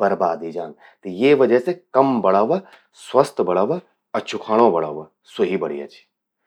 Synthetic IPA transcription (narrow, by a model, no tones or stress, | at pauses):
bɐɾbaːd̪id͡ʒaːn | t̪jeʋɐd͡ʒəɦsekɐmbɐɽaːʋɐ | swɐst̪bɐɽaːʋɐ | ɐt͡ʃʰʊkʰaːɽ̃õbɐɽa̰ːʋɐ | soɦibɐɽḭɐ̰t͡ʃʰi̥